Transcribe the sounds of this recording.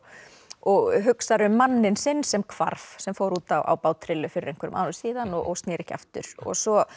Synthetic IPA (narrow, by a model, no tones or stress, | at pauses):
ɔɣɦʏksaɾʏmːanːɪnsɪnːsɛmkʰva̰ɾvsɛmfoːwɾuːt̪awʔa̰ːwpaːwt̪ʰɾɪlːʏfɪɾɪɾejŋkvʏɾʏ̰ma̰ːnʏsiːðanɔɔɣst̪nɛːɾɛhca̰ft̪ʏ̰ɾ̥ɔ̰ɣsɔ